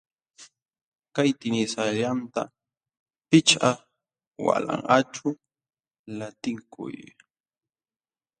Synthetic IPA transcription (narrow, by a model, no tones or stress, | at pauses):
kajt̪ɪnɪsalant̪a̰ | pɪt͡ʃa | wa̰la̰ɴɢaʈ͡ʂʊ | lat̪ɪŋkʰʊ̰j